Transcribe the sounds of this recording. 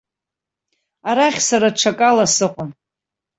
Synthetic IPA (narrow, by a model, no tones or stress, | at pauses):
aɾaχʲsaɾaʈ͡ʂʷʰakʼalasɨqʷʼʊm